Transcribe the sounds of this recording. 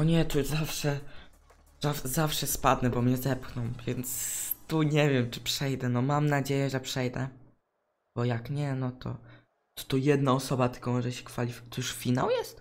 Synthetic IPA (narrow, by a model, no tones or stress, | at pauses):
ɔɲɛt̪ɔjuzafʂɛ | zazafʂɛspad̪nɛbɔmɲɛzɛpxnɔmvʲjɛnt̪st̪uɲɛvʲjɛmt͡ʂɘ̥pʂɛjd̪ɛnɔmamnad͡ʑejɛʐɛpʂɛjd̪ɛ | b̥ɔjakɲɛnɔt̪ɔ̰ | t̪ɔ̥t̪ɔjɛd̪naɔsɔbat̪ɘ̥kɔmɔʐɛɕɛ̥kfalʲifʲt̪ɔjuʂfʲina̰wjɛst̪